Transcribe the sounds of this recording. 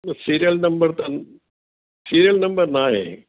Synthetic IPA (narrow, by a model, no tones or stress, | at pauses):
siːɾijɐlnɐmbɐrt̪ɐn | siːɾijɐlnɐmbɐrnaːjḛ